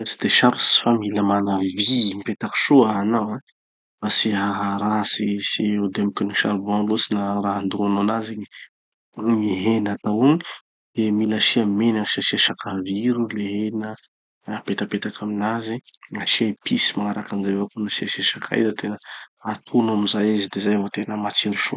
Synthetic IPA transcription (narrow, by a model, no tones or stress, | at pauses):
si̥d̪̥eʃaɾusi̥familamanavimpet̪aki̥ʃuaɦanawã | masiɦaɦɾasisiud̪emikiniʃa̰ɾubanlosinaɾaɦand̪ɾononazeɲe | miɦenat̪awuɲi | d̪̥emilaʃiamenaʃeʃeʃakʰaviɾuleɦenə | pet̪apet̪akʰaminaziaʃiapʰisi̥maŋaɾakanzajvakunaʃeʃeʃakʰa̰jzat̪ʰenəat̪ʰunamizajizid̪ezajvot̪enəmat͡siɾuʃo̰